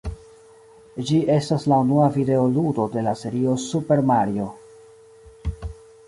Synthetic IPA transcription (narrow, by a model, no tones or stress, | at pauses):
d͡ʒiʔe̞staslaunuavide̞o̞ludo̞de̞lase̞ɾio̞supe̞ɾmaɾio̞